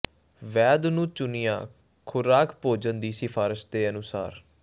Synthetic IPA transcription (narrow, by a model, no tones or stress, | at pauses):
ʋɛːd̪nũːt͡ʃʊnɪjãː | kʰʊɾaːkʰpoːd͡ʒənd̪iːsɪfʰaːɾəsd̪eːənʊsa̰ːɾ